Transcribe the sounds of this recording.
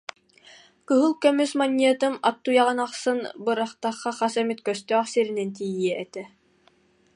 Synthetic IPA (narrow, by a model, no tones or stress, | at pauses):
kɯɦɯlˠkœmysmanʲːiɛt̪ɯmap̚t̪ːujɑʁɯnaχsɯnbɯɾaχt̪ɑχːɑχasɛmit̪kœst̪œːχsiɾinɛnt̪̬ijiɛɛt̪ɛ